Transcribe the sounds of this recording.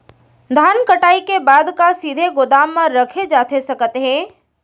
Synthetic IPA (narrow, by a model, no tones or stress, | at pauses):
d̪ʱaːnkəʈaːikebaːd̪kasiːd̪ʱeɡʊd̪aːmːãɾɐkʰed͡ʒaːt̪ʰesɐkt̪ɦɛ̃ː